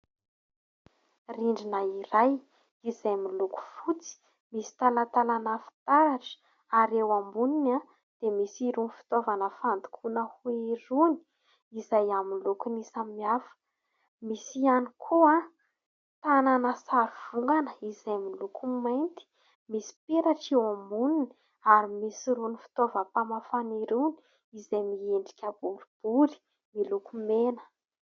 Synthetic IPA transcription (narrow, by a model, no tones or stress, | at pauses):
riɳɖ͡ʐinaiɾaj | izajmiluku̥fut͡si̥ | misi̥t̪alat̪alanafi̥t̪aɾaʈ͡ʂ | aɾewambunina | d̪̥emisiɾunfi̥t̪ovanəfand̪u̥kʰunəhuiɾuni̥ | izajaminlukunisaminiafə̥ | misianikʰuã | t̪ananəsaɾuv̥uŋɡanəizajmilukʰumajnt̪i̥ | misi̥peɾaʈ͡ʂiomunini̥ | aɾimisiɾunifi̥t̪ovəpamafaniɾini̥ | izajmieɳɖ͡ʐi̥kʲəbulib̥uli̥ | milukumenə̥